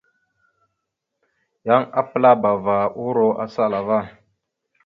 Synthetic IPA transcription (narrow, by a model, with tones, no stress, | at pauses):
ja˦ŋa˦pɨ˦la˦ba˨vaː˨ʔu˦ɾo˦ʔa̰˨sa˦˨la˨va˦˨